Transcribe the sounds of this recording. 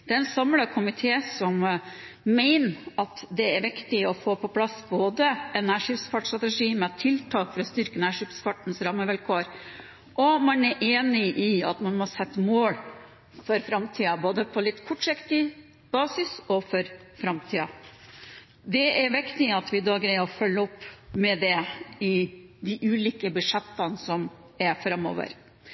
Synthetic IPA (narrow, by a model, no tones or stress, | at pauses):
d̪̥ɛɛnsɑmləkʰʊmɪt̪ʰeːsɔm | mæɪnəɑt̪d̪ɛæɾʋɪkt̪ɪɔfoːpʰɔpʰlɑsboːd̪əɛnːæːʂɪpsfɑʈst̪ɾɑt̪əʂiːmɛt̪ʰːɪlt̪ʰɑːkfɔɾɔst̪ʏɾkənæːʂɪpsfɑʈn̩sɾɑmːəʋɛlkʰoːɾ | ʔɔmɑnæɾʔeːnɪʔɪɑ̰t̪mɑnmɔsɛt̪ːəmoːl | fɔɾfɾɑmt̪ʰiːɑboːd̪əpʰɔlɪt̪ːkʰɔʈʂɪkt̪ɪ | b̥ɑːsɪsɔfɔɾfɾɑmt̪ʰiːɑ | d̪ɛæɾʋɪkt̪ɪɑt̪ʋɪd̪ɑːɡɾæɪɔfœlːəɔpːmɛd̪ɛɪd̪ɪʔʉːliːkəbʉʂɛt̪ːɑnsɔm | ɛɾfɾɑmːo̰ːʋə̰ɾ